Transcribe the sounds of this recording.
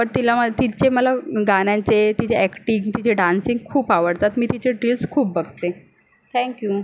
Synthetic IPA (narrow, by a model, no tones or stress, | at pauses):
pəɾt̪ilamət̪it͡ɕeməlaɡanjãɲt͡set̪it͡ɕeækʈiŋɡt̪it͡ɕeɖansiŋɡkʰuːpaʋəɽt̪at̪miːt̪it͡ɕeɖɾilskʰuːp̚bəɡt̪e | t̪ʰɛ̃ŋkju